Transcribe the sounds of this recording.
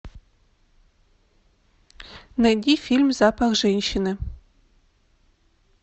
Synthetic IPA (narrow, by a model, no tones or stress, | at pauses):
nɐdʲifilʲmzapʰaɣʒɛnʲʃɪnɨ